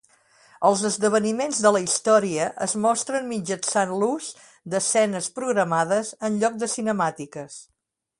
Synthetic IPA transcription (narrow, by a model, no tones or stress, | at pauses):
əlˠzəzðəβ̞ənimenzðələist̪ɔɾiəʔəzmɔst̪ɾənmid͡ʒənsanluz | d̪əsɛnəspɾuɣɾəmað̞əzənʎɔk̚d̪əsinəmat̪ikəs